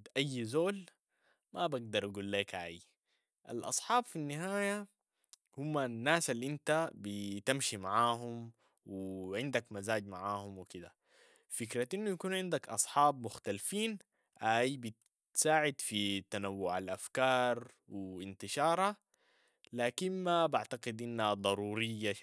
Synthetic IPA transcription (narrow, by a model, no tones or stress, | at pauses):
d̪ʔajːzoːl | mabaɡ̚d̪ɑɾˤʔaɡuːlːeːkʔaːji | ʔa̰lʔɑ̰sˤħɑːbfinːɪɦaːja | humːanːaːsalːiʔint̪abit̪amʃimaʕaːɦum | wiʕɪnd̪akmazaːɟmaʕaːhumwikid̪a̰ | fikɾaʔinːujakuːnʕɪnd̪akʔɑsˤħɑːb̚mʊxt̪alfiːn | ʔaːjibit̪ | saːʕɪd̪fit̪anawːʊʕalʔafkɑːɾˤ | wiint̪ɪʃɑːɾˤha | laːkinmabaʕt̪aqɪd̪ʔinːhad̪ˤɑɾˤuːɾɪjːa